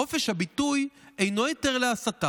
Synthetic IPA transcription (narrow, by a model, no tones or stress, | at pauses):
o̞feʃhabituje̞jno̞jote̞ʁleasata